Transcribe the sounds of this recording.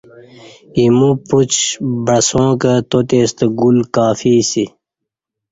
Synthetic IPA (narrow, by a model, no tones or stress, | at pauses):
imuput͡ɕbɐsõːkət̪ot̪eːst̪əɡulkaːfiːsi